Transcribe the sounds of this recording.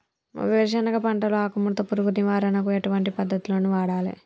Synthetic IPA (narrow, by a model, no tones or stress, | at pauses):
ɐ̰ʋeːɾʃ̬ɐnɐɡɐpɐɳʈɐloaːkumːuɾt̪ɐpːuɾuɡuɾiʋaːɾɐnɐk̬ueʈuʋɐɳʈipɐd̪ːɐt̪uloːnuʋaːɽaːlḛ